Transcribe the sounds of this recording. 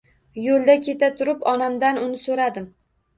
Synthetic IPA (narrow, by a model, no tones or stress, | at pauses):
jolˠd̪akʲʰe̞t̪ʰat̪ʰʊɾɪpɒnamd̪anʊnɪsoɾad̪ɪm